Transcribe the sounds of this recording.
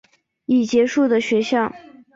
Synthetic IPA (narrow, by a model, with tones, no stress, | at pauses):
i˨˩t͡ɕjɛ˧˥ʂu˥˩d̪ə˩ɕɥɛ˧˥ɕjɑ˥˩ʊ